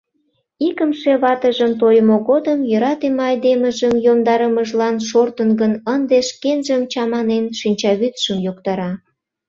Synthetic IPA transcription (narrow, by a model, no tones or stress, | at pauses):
ikəmʃeβɑt̪əʒəmt̪ojmoɣod̪əmjə̆ɾɑt̪emɑjd̪eməʒəmjomd̪ɑɾəməʒlɑnʃort̪ənɡənənd̪eʃkenʒəmt͡ɕɑmɑnenʃinʲt͡ɕɑβyt̪ʃəmjokt̪ɑɾɑ